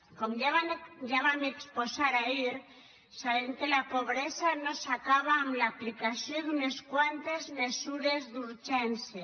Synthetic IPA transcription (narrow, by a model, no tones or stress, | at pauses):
komjaβaneksposaɾaiɾ | saβeŋkelapoβɾesanosakaβaːmlaplikasjoðuneskwant̪ezmesuɾezðuɾt͡ʃense